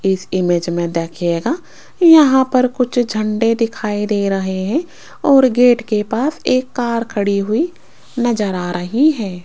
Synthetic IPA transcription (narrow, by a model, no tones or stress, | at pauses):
ɪsɪmeːd͡ʒmẽd̪eːkʰieːɡaː | jɐɦãpɐɾkʊt͡ʃʰd͡ʒʱɐ̃ɳɖed̪ɪkʰaːid̪eːɾɐɦeɦɛ̃ | ɔːɾɡeːʈkepaːseːkːaːɾkʰɐɽiɦʊi | nɐzəɾaːɾʔɐɦiɦɛ̃ː